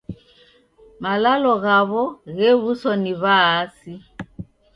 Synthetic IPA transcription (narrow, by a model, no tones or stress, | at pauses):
malalɔɣaβɔɣɛβusɔniβaːsi